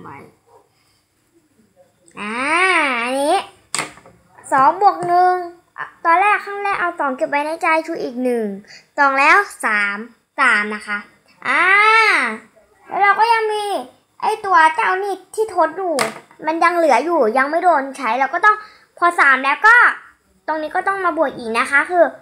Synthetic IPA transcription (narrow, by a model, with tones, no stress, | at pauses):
ma̰˧˩j | ʔaː˧˩ʔa˧niː˦˥ | sɔː˨˦ŋbu˨˩ək̚nɯ˧ŋ | ʔt̪ɔː˧nlɛː˥˩kʰːa˥˩ŋlɛː˦˥˩kʔa˧wt̪ɔː˨˩˦ŋke˧˩p̚ːa˧jna˦˥jt͡ɕa˧jt͡ɕʰuː˧˩ʔiː˨˩k̚nɯ˨˩ŋt̪ɔː˨˩ŋlɛː˦˥wsaː˨˩˦m | t̪aː˨˩mna˦˥kʰa˦˥ʔ | ʔaː˧ | lɛ̰ː˦˥wɾa˧wkɔː˥˩ja˧ŋmiː˧ | ʔa˥˩jt̪u˧ɐt͡ɕa˥˩˨wniː˥˩t̪ʰiː˥˩t̪ʰo˦˥t̪̚juː˨˩ | ma˧nja˧ŋlɯ˨˩˦ɐjuː˨˩ja˧ŋma˥˩jdoː˧nt͡ɕʰa˦˥jlɛː˧wkɔː˥˩t̪ɔ˥˩ŋ | pʰɔ˧saː˩˦mlɛː˦˥wkɔː˥˩ | t̪o˧ŋniː˦˥kɔː˥˩t̪ɔ˥˩ŋmaː˧bu˨˩ək̚ʔiː˨˩k̚na˦˥kʰa˦˥kʰɯː˧